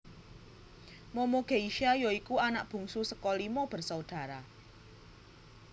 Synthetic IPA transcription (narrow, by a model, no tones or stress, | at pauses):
mɔmoɡ̥e̤iʃajɔikuanaʔ̚b̥ṳŋsusəkɔlimɔb̥ə̤rsaud̪̥ä̤ɾa